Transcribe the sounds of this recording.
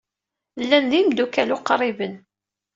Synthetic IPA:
lːænðimd̪ukælʊqːɾˤibən

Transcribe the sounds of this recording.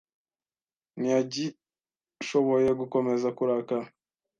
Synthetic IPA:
niaɟi | ʃo̞βo̞je̞ɡuko̞me̞zakuɾaka

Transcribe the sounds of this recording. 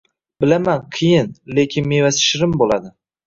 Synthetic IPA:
bɪlamanqʰijɪnle̞kʲʰɪnmevasɪ̥ʃɪɾɪmbolˠad̪ɪ

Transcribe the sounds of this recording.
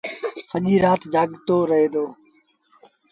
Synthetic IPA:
səʄiːɾaːt̪d͡ʒʱaːɠt̪oːɾəɦeːd̪oː

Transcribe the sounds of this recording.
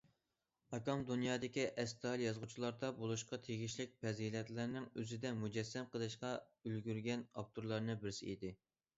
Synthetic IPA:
ɑkʲɑmd̪unjɑːd̪ɪkʲiʔɛst̪ʰɑlˠjɑzʁut͡ʃʰilˠɑɾd̪ɑbolˠuʃqɑt̪ʰeɡʲiʃlɪk̚ʲpʰɛzilɛt̪lɪɾnɪŋøzɪd̪ɛmud͡ʒɛsːɛmqəlˠɨʃqɑ | ølɡʲyɾɡʲɛnɑp̚t̪ʰuɾlˠɑɾnɨbɪɾsɪid̪ɪ

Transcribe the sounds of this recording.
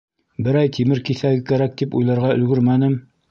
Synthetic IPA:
bɘ̆ɾæjt̪ʰimɘɾkiθæɡɘkæɾæk̚t̪ipṵjlˠɑɾʁɑɵ̆lɡɵɾmænɘm

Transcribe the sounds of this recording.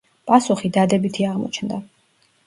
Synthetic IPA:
pʼasuχid̪ad̪ɛbit̪ʰiaʁmɔ̰t͡ʃʰnd̪a

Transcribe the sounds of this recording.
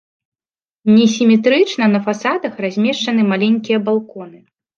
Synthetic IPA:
nʲɛs̬ʲimʲɛt̪ɾɨt͡ʂnɐnɐfasad̪ɐxrazʲmʲɛʂt͡ʂɐnɨmalʲenʲkʲijɐbalˠkɔn̪ɨ

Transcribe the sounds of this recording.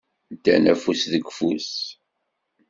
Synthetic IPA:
d̪æ̰næfusðəɡfus

